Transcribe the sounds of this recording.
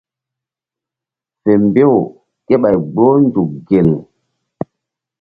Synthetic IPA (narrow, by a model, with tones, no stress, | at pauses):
fe˨mbe˦w | ke˦ɓa˨jɡ͡bo˦nd͡ʒu˨k̚ɡe˨lu˨